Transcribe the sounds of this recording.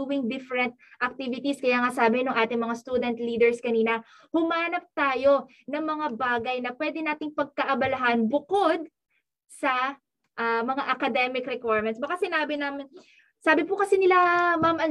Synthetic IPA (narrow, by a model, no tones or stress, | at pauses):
uwɪŋd̪ɪfɾɛnt̪̚ʔɐk̚t̪ivɪt̪iskɐjaːŋasaːbɪnʊŋʔaːt̪ɪŋmɐŋast̪uːd̪ɛnt̪liːd̪ɛɹskɐniːnɐ | hʊmaːnɐp̚t̪aːjo̞ | nɐŋmɐŋabaːɡɐjnɐpwɛːd̪ɛnaːt̪ɪŋpɐɡ̚kɐʔɐbɐlɐɦanbʊkod̪̚ | sɐ | ʔɐmɐŋaʔɐkɐd̪ɛmɪkɾɛkwaɹmɛnsbɐkasɪnaːbɪnamɪn | saːbɪpʊkɐsɛnɪlamamʔɐn